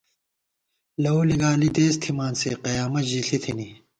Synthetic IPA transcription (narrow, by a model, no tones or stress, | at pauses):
lɐoːliɡaːlid̪eːst̪ʰimaːnseqɐjaːmɐʑiɬʰit̪ʰini